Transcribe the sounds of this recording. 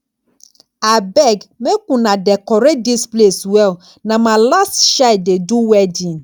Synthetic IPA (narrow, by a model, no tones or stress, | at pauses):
abɛɡmẽkũnãɖɛkɔɾedispleswɛl | nãmãlastʃaɪdeduwɛdĩn